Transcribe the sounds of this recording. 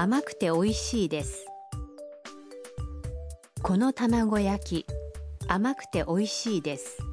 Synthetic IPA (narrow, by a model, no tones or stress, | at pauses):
amakɯ̟̥t̪e̞o̞iɕiːd̪e̞sɨ̥ | ko̞no̞t̪amaɡo̞jakʲi | amakɯ̟̥t̪e̞ʔo̞iɕiːd̪e̞sɨ̥